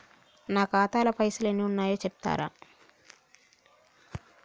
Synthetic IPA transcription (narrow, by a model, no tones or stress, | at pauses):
naːkaːt̪aːlɐpɐjsulenːiunːaːjo̞ːt͡ʃep̚t̪a̰ːɾa̰ː